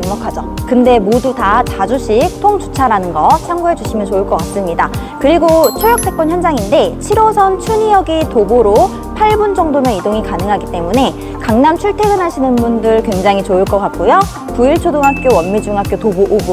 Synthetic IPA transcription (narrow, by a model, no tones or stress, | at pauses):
ŋmʌkʰad͡ʑʌkɯnde̞modutatad͡ʑuɕʰik̚tʰoŋd͡ʑut͡ɕʰaɾanɯnɡʌt͡ɕʰaŋɡuɦe̞d͡ʑuɕʰimjʌnt͡ɕoɯɭk͈ʌk͈as͈ɯmɲidakɯɾiɡot͡ɕʰojʌk̚t͈ʰe̞k͈wʌnçjʌnd͡ʑaŋinde̞t͡ɕʰiɾosʰʌnt͡ɕʰuɲijʌɡitoboɾo | pʰaɭbund͡ʑʌŋdoneidoŋikanɯŋɦaɡit͈e̞mune̞ | kaŋnamt͡ɕʰuɭtʰeɡɯnɦaɕʰinɯnbundɯɭkwe̞ŋd͡ʑaŋɦit͡ɕoɯɭk͈ʌk͈ak̚k͈ojo | kuiɭt͡ɕʰodoŋɦak͈jowʌnmid͡ʑuŋɦak͈̚jotoboʔobu